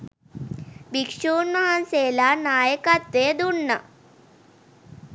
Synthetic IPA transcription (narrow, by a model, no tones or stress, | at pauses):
bikʂuːnmɐɦɐnseːlaːnaːjɐkɐt̪ʋeːd̪uɳːɐ̰